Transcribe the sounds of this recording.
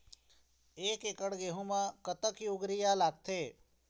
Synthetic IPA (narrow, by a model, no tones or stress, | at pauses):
eːkekəɽɡeːɦũmãkət̪əkjuɡɾijalaːɡ̚t̪ʰeː